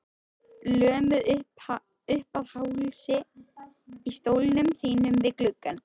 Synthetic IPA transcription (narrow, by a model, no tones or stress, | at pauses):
lœːmʏð | ʏhpaðhawlsɪ | ist̪oːwlɪnʏmθiːnʏmvɪðklʏkːan